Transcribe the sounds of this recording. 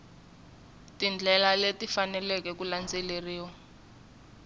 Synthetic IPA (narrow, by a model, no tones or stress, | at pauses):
tind͡ɮʱɛlaletifanɛlɛkɛkuland͡zɛleriːwɔ